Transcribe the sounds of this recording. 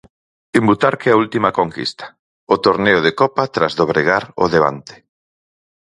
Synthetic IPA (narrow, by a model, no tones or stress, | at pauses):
embut̪aɾkeault̪imɐkoŋkḭst̪ḁ | ʊt̪oɾneʊðekɔpat̪ɾazðoβ̞ɾeɣ̞aɾʊ̰ðeβ̞a̰nt̪ɪ̥